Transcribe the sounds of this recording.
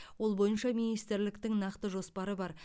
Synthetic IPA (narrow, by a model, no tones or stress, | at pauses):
wo̞lˠbo̞jənʃɑminijst̪ɪɾlɪkt̪ɪŋnɑqt̪əʒo̞spɑɾəbɑɾ